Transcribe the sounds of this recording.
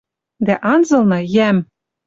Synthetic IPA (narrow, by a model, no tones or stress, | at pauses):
d̪æʔɑnzɤ̆lˠnɤ̆jæm